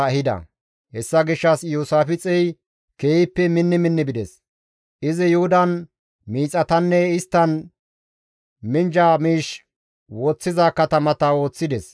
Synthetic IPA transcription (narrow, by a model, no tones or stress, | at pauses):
hɪd̪ɐ̰ | hɛsːɐɡɪʃːɐsjuːsaːfɪt͡sʼɛj | keːjɪpːɛmɪnːɪmɪnːɪbɪd̪ɛs | ʔɪzɪjʊhʊd̪ɐn | miːt͡sʼɐt̪ɐnːɛɪst̪ːɐn | mɪnd͡ʒamiːʃ | woːt͡sːɪzaːkɐt̪ɐmɐt̪ɐwo̞ːt͡sːɪd̪ɛs